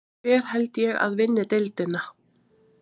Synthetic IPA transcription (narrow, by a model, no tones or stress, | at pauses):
ɛɾ̥hɛlt̪jɛɣa̰ðvɪnːɪt̪elt̪ɪna